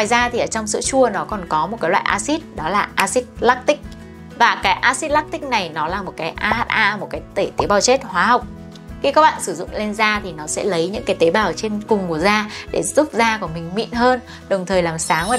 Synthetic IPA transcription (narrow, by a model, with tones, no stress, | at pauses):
ŋwaː˨˩jzaː˧t̪ʰi˨˩ʔəː˧˩t͡ɕɔ˧wŋ͡msɨ̰˧˥t͡ɕu˧ənɔ˨˦kɔ˨˩nkɔ˨˦mo˨˩t̚kaː˨˦jlwa̰ː˧˨ʔaː˧si˦˥t̚ɗɔ˨˦laː˨˩ʔaː˧si˦˥t̚la˦˥k̚t̪ï˦˥k̚ | vaː˨˩kaː˨˦jʔaː˧si˦˥t̚la˦˥k̚t̪ï˦˥k̚na˨˩jnɔ˨˦laː˨˩mo˨˩t̚kaː˨˦jʔaː˧haː˦˥t̚ʔaː˧mo˨˩t̚kaː˨˦jt̪e˧˩t̪e˨˦ɓaː˨˩wt͡ɕe˦˥t̚hwaː˨˦ha˨˩wk͡p̚ | xi˧kaː˦˥k̚ɓa̰ː˧˨nsɨ˧˩zʊ̰˧˨ŋ͡mle˧nzaː˧t̪ʰi˨˩nɔ˨˦sɛ̰˧˥lə˨˦jɲɨ̰˧˥ŋkaː˨˦jt̪e˨˦ɓaː˨˩wt͡ɕe˧nkʊ˨˩ŋ͡mku˧˩əzaː˧ɗe˧˩z̥ʊ˦˥p̚zaː˧ku˧˩mï˨˩ŋ̟mḭ˧˨nɦəː˧n | ɗə˨˩wŋ͡mt̪ʰəː˨˩jlaː˨˩msaː˨˦ŋəː˧˩